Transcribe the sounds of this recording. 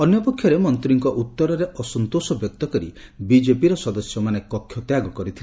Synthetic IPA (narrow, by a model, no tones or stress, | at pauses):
ɔnjɔpɔkʰjɔɾemɔnt̪ɾiŋkɔʔut̪ːɔɾɔɾeʔɔsɔnt̪osɔbjɔk̚t̪ɔkɔɾḭbid͡ʒepiɾɔsɔd̪ɔsjɔmanekɔkʰːjɔt̪jaɡɔkɔɾit̪ʰil